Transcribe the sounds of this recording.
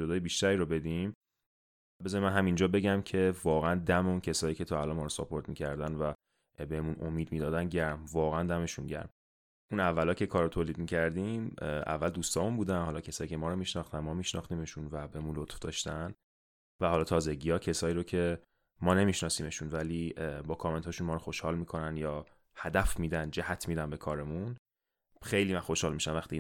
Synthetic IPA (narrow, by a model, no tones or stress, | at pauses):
d͡ʒo̞d̪ɒːjebiʃt̪æɾiːɾobe̞d̪im | bezɒnimænɦæmind͡ʒɒːbe̞ɟæmcʰe̞vɒːɣeænd̪æmeuncʰe̞sɒːjiːcʰe̞t̪ʰɒːælɒːnmɒːɾosopʰo̞ɾt̪̚miːcʰæɾd̪ænvæ | bemunomiːd̪miːd̪ɒːd̪ænɟæɾmvɒːɣeænd̪æme̞ʃunɟæ̰ɾm | ʔunævːælɒːcʰe̞kʰɒːɾːot̪ʰoːliːd̪̚miːcʰæɾd̪imæ̰vːæld̪uːst̪ɒːmunbuːd̪ænhɒlɒːcʰesɒːjiːcʰe̞mɒːɾomiʃnɒxt̪ænmɒːmiʃnɒ̰xt̪iːme̞ʃunvæbehmunlot̪fd̪ɒ̰ːʃt̪æn | væhɒːlɒːt̪ʰɒːzeɟijɒːcʰe̞sɒːiːɾocʰe̞ | mɒːne̞miʃnɒːsiːme̞ʃunvæliːbɒːkʰɒme̞nt̪hɒːʃunmɒːɾoxo̞ʃhɒːlmiːkʰo̞nænjɒː | hæd̪æfmiːd̪ænd͡ʒæhæt̪ʰmiːd̪æmbe̞kʰɒːɾe̞mun | xejliːmænxoʃhɒːlmiːʃæmvæxt̪i